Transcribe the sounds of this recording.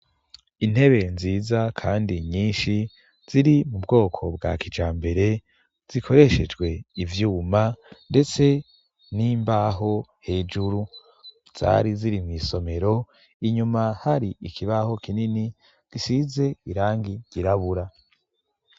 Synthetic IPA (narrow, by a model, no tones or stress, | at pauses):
in̥he̞βe̞nziːzakʰaːndiɲiːnʃi | z̥iɾimub̚ɡo̞ːkʰo̞b̚ɡa̰kid͡ʒaːmbe̞ɾe̞ | z̥ikʰo̞ɾe̞ʃe̞d͡ʒɡwe̞ivjuːmande̞t͡se̞ | niːmbaɦo̞he̞ːd͡ʒuɾu | z̥a̰ɾiziɾimŋiːso̞me̞ɾo̞ | iɲumahaɾiikʰiβaho̞kinini | ɡ̥isize̞iɾaːŋɡiɟiɾaβuɾa